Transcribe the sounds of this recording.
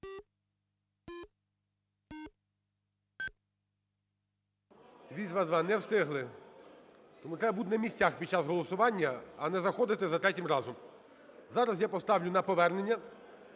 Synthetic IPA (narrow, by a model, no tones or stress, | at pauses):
ʋʲizʲʋɑzʋɑnɛwst̪ɪɦlˠɪ | t̪ɔmut̪ɾɛbɐbud̪ʲnɐmʲisʲt͡sʲaxpʲid̥̪̚t͡ʃɑzɦɔlˠɔsʊʋɑnʲːɐɐnɛzɐxɔd̪ɪt̪ɪzɐt̪ɾɛtʲɪmɾɑzɔm | zɑɾɐsjapɔst̪ɑwlʲʊnɐpɔʋɛrnenʲːɐ